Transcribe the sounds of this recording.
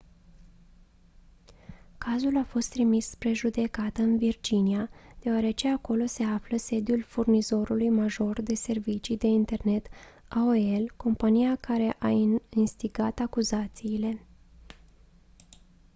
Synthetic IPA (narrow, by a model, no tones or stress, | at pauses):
kazulafo̞st̪ɾimispɾe̞ʒud̪e̞kat̪əɨnvird͡ʒiniad̪̥e̞oaɾe̞t͡ʃe̞ako̞lo̞se̞afləse̞d̪julfurnizo̞ɾulujmaʒo̞rd̪e̞se̞rvit͡ʃid̪e̞int̪e̞rne̞t̪ | aoelko̞mpanijakaɾe̞ʔainst̪iɡat̪akuzat̪siːle̞